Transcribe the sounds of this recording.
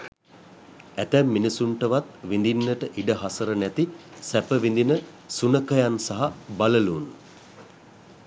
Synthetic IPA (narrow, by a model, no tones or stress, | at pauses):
æt̪æmːinisuɳʈəʋat̪ʋind̪inːəʈəʔiɖəɦasəɾənæt̪isæpəʋind̪inə | sunəkəjansaɦabaləlun